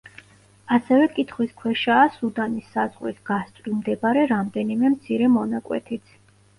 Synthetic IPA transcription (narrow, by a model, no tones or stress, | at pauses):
asɛvɛkʼit̪ʰχwiskʰwɛʃaːsud̪anisːazʁwisɡ̥ast̪ʼɾimd̪ɛbaɾɛɾamd̪ɛnimɛmt̪sʰiɾɛmɔnakʼwɛ̰t̪ʰit̪sʰ